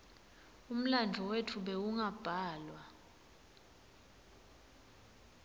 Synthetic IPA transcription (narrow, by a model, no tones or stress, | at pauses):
um̩land͡ɮʱɔwetʰuɓɛuŋab̥ʱaːlwa